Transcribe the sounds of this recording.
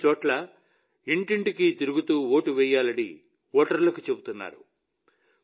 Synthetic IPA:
t͡ʃɔːʈlɐ | iɳʈiɳʈikit̪iɾuɡut̪uːoːʈuʋɛːjaːlɐnḭ | ɔːʈɐɾlɐkut͡ʃe̞but̪unːa̰ːɾṵ

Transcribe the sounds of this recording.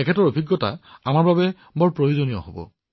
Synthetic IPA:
ɛkʰɛtɔɹobʱiɡːɔta̰amaɹbabɛ | bɔɹpɹojozonijɔ̰ɦobɔ̰

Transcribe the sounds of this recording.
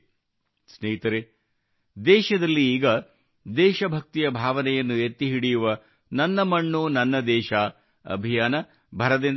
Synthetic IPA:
sneːit̪ɐɾe | d̪ɛːʃɐd̪ɐlːiiːɡɐ | d̪ɛːʃɐbʱɐk̚t̪ijɐbʱaːʋɐnɛjɐnːuet̪ːiɦiɽijuʋɐ | nɐnːɐmɐɳːunɐnːɐd̪ɛːʃaː | ɐ̰bʱijaːnɐ | bʱɐɾɐd̪in

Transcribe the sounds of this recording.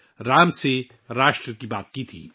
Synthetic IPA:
ɾaːmse | ɾaːʃʈɾəkibaːt̪̚kit̪ʰḭː

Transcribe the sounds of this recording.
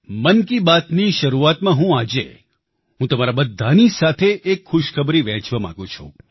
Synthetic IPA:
mənkibat̪niʃəɾuat̪mãɦũad͡ʒḛ | ɦũt̪əmaɾabəd̪ʱːanisat̪ʰeʔekxʊʃkʰəbɾiʋɛ̃t͡ʃʋamã̰ɡũt͡ʃʰṵ̃

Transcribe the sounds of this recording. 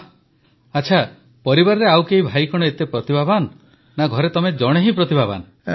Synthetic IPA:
at͡ʃʰa | pɔɾibaɾɔɾeawkeɦibʱajkɔɽ̃ɔet̪epɾɔt̪ibʱaban | naɡʱɔɾet̪ɔmed͡ʒɔɽ̃eɦipɾɔt̪ibʱaba̰n

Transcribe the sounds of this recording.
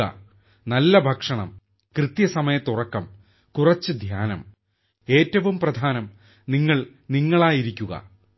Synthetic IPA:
ɐ̰ | nɐlːɐbʱɐkʂɐɳɐ̰m | krɨt̪jɐsɐmɐjɐt̪ːurɐkːɐm | kurɐt͡ɕːɨd̪ʱjaːnɐm | e̞ːtːɐʋumprɐd̪ʱaːnɐm | niŋːɐɭ | niŋːɐɭaːjiɾikʲːuɣɐ̰

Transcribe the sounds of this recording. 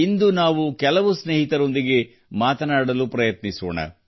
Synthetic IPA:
ind̪unaːʋukɛlɐʋusneːɦit̪ɐɾo̞nd̪iɡe̞ | maːt̪ɐnaːɽɐlupɾɐjɐt̪niso̰ːɳɐ̰

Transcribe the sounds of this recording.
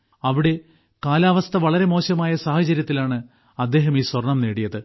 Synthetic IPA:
ɐʋiɽe̞ | kaːlaːʋɐst̪ʰɐʋɐɭɐɾe̞mo̞ːɕɐmaːjɐsaːhɐt͡ɕɐɾjɐt̪ːilaːɳɨ | ɐd̪ːe̞ːɦɐmiːswɐrɳɐmne̞ːɽijɐðɨ

